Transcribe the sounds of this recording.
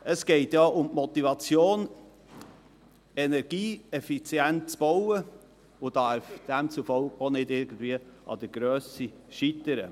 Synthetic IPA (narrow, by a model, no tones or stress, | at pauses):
əsɡ̥ɛɪtjɑʔʊmmɔt̪ivɑt͡sjoːn | ɛnɛɾɡiːɛfit͡sjɛnt̚t͡sb̥ɔwə | ʊd̥ɑɾfd̥æmt͡sufɔʊkonɪdɪɾɡ̥ən̩d̥̪viəʔɑ̰d̪̥əɡ̥ɾøːsi | ʃit̪əɾə̰